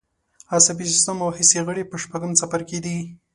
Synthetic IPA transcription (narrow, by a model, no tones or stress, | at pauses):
asabis̬ɪ̥st̪əmawhiseɣəɽepəʃpaɡəmt͡sapaɾked̪i